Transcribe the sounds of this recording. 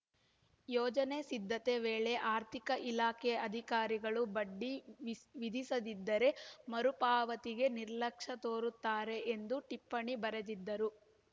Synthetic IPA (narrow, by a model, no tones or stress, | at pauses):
jɔːd͡ʒɐne̞sid̪ʱːɐt̪e̞ʋeːɭe̞ʔaːɾt̪ʰikɐʔilaːkɛɐd̪ʱikaːɾiɡɐɭubɐɖːiʋid̪ʱisɐd̪id̪ːɐɾe̞mɐɾupaːʋɐt̪iɡe̞niɾlɐkʂɐt̪oːɾut̪ːaːɾe̞ʔend̪uʈipːɐɳibɐɾed̪id̪ːɐɾu